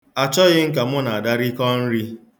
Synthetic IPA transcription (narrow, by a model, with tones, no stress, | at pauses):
a˨t͡ʃɔ˦ɣɪ˦ŋ̩˦ka˨mʊ˦na˨a˨da˦ɾi˦kɔ˦n̩˦ɾi˦